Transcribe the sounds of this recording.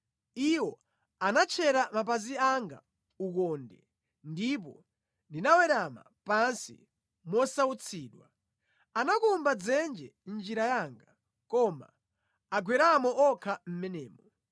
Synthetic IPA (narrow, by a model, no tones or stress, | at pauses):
iwɔ | anat͡ʃʰɛɾamap̬aziaŋɡa̰ | ukɔndɛ̰ | ndip̬ɔ | ndinawɛɾama̰ | pansḭ | mɔsaut͡sʰiːɗwa̰ | anakumbad͡zɛnd͡ʒɛnd͡ʒiɾajaːŋɡa | kɔma̰ː | ɡʱwɛɾamɔɔkʰam̩mɛnɛːmɔ